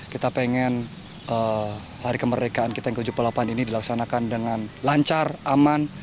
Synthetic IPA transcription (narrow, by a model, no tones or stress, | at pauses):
kit̪apeŋɛn | ʔə | haɾikəmərdekaːnkit̪ajaŋkəud͡ʒupəlapaninidilaksanakandəŋanlaɲt͡ʃarʔaman